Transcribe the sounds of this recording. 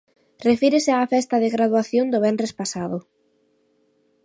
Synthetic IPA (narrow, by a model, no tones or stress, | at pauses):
refiɾesɪaːfɛst̪ɐðeɣɾaðwaθjond̪ʊβɛnrespasaðʊ